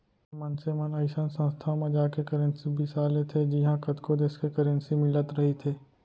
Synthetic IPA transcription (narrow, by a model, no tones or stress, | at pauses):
mɐnsemɐnɐɪʃənsə̃nst̪ʰamẽd͡ʒaːkekɐɾə̃nsibʱisaːlet̪ʰed͡ʒɪɦãkɐt̪kod̪eːskekɐɾə̃nsimɪlət̪ɾɐɦit̪ʰeː